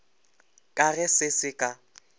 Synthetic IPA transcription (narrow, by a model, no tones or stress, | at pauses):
kʼaɣɛsɪsɪkʼa